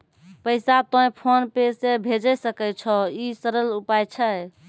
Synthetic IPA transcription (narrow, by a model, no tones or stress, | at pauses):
pəɪsat̪ɔ̃j̃pʰonpesebʱed͡ʒəsəkɛt͡ʃʰɔisəɾəlupajt͡ʃʰə